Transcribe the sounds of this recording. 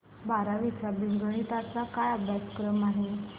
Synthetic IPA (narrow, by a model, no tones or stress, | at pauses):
baɾaʋit͡ɕabiŋɡəɽ̃it̪at͡sakajəbʱjat͡sə̥kɾəmaɦe